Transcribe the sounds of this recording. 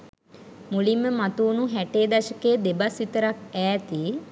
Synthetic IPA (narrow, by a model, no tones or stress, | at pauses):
mulimːəmat̪uːnuɦæʈeːd̪aʃəkeːd̪ebasit̪əɾak̚ɛːt̪i